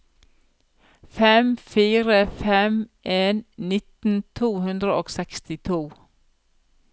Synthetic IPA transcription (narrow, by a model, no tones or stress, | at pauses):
fɛmfiːɾəfɛmʔeːnnɪt̪n̩t̪ʰuːhʉnd̪ɾəʔoːɡsɛkst̪ɪt̪ʰuː